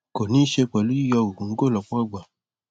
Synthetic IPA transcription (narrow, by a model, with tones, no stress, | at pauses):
kɔ˨nĩ˦i˦ʃe˧k͡pɛ˨lu˨˦i˦jɔ˧wõ˨ŋ̩˦ɡo˦˨lɔ˨˧k͡pɔ̃˦a˦˨ɡ͡ba˨